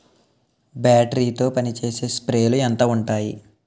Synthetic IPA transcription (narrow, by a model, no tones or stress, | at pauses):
baːʈɐɾiːt̪o̞ːpɐnit͡ʃe̞ːse̞ːspɾe̞ːluɛnt̪ɐːuɳʈaːjḭ